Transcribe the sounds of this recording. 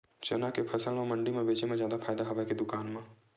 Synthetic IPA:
t͡ʃənakepʰɐsəlmẽmɐ̃ɳɖimẽbeːt͡ʃemẽzjaːd̪apʰaːjd̪aɦɐʋaked̪ʊkaːnmẽ

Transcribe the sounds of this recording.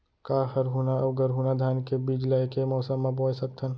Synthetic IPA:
kaːhəɾɦuːnaɐbɡəɾɦuːnad̪ʱjaːnkebiːd͡ʒlaikemɔːsəmːãboːsəkt̪ʰən

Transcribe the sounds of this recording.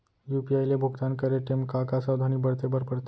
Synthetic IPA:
jupiajlebʱuɡt̪ankəɾeʈemkakasawd̪ʱaniːbəɽt̪ebəɾpəɽt̪

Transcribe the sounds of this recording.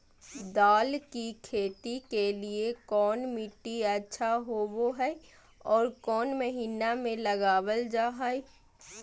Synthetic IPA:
d̪aːlkikʰeːt̪ikeliekɔːnmɪʈːiɐtːʃʰaɦoːboɦɛ | ɔːɾkɔːnməɦiːnamẽlɐɡaːwəld͡ʒaːɦai

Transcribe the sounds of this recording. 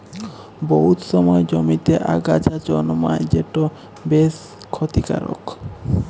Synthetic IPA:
boɦut̪ʃɔmɔed͡ʑomit̪eʔaɡad͡ʑʰad͡ʑɔnmajd͡ʑeʈo | bes | kʰːot̪ika̰ɾo̰k

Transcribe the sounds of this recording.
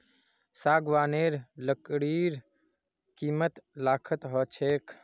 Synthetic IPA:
saːɡʋaːneːɾləkɽiːɾ | kiːmət̪laːkʰət̪ɦət͡ʃʰeːkʰ

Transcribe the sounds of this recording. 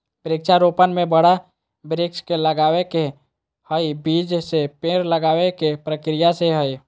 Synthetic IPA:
pəɾɪkʃaɾoːpənmẽbəɽa | bɾɪkskeləɡaːweke | həibiːd͡ʒsepeːɾləɡaːwekepɾəkɾɪjaseɦəi

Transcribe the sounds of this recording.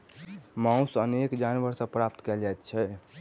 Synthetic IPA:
mãũsənekd͡ʒanʋəɾsə̃pɾap̚t̪kɛld͡ʒajt̪t͡ʃʰɛ

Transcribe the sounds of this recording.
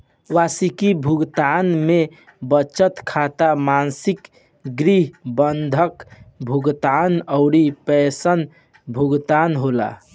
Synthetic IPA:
ʋasikibʱuɡt̪anme | bət͡ʃət̪kʰat̪amansik | ɡɾiɦbənd̪ʱəkbʱuɡt̪anəʊɾipɛsən | bʱuɡt̪anɦola̰

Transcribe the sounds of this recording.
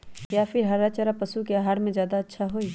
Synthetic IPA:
jaːfʰɪɾɦɐɾːat͡ʃəɾapɐsukeaɦaːɾmẽzjaːd̪aɐtːʃʰaɦoiː

